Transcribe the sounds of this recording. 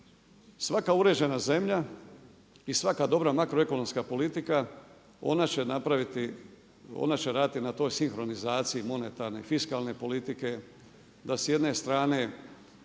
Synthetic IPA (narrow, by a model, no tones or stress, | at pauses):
sʋakauɾe̞d͡ʑe̞naze̞mʎa | isʋakad̪o̞bɾamakɾoe̞ko̞no̞mskapo̞lit̪ika | o̞̰nat͡ʃenapɾaʋit̪i | o̰nat͡ɕeɾaːd̪it̪inat̪o̞ːjsiŋxɾo̞nizaːt̪siimo̞ne̞t̪aɾne̞fiskalne̞po̞lit̪ike̞ | d̪asje̞d̪ne̞st̪ɾaːne̞